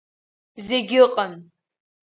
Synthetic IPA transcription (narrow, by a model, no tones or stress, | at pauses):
zeɡʲɪqʼən